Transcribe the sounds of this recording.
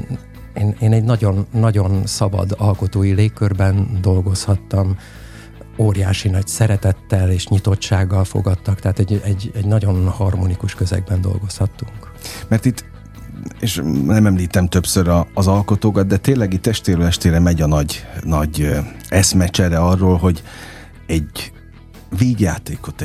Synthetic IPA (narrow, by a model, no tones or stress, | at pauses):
eːneːnɛɟnɒɟo̞nːɒɟo̞nsɒbɒ̰d̪ɒlko̞t̪oːjileːkːørbɛnd̪o̞lɡo̞shɒt̪ːɒm | oːɾjaːʃinɒcsɛɾɛt̪ɛt̪ːɛleːʃɲit̪o̞t͡ʃːaːɡːɒlfo̞̰ɡɒt̪ːɒkt̪ɛɦaːt̪ɛɟɛɟɛɟnɒɟo̞nhɒrmonikuʃkøzɛ̰ɡ̚bɛnd̪o̞̰lɡo̞shɒt̪ːuŋk | mɛrt̪it̪ː | eːʃnɛmɛmliːt̪ɛmt̪øpsøɾɒːzɒlko̞t̪oːkɒd̪̚d̪ɛt̪ːeːlːɛɡit̪ːɛʃt̪eːɾøːɛʃt̪eːɾɛmɛɟɒnɒɟnɒɟɛsmɛt͡ʃɛɾɛɒrːoːlɦo̞ɟ | ɛɟ | veːɟjaːt̪eːko̞t̪